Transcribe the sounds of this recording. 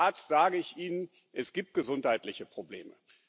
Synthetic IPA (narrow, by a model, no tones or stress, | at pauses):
aɐtstz̥aːɡəɪçʔiːnən | ʔɛsɡ̥iːp̚t̚ɡ̥əzʊnthaɪtlɪçəpʁ̥obleːmə̰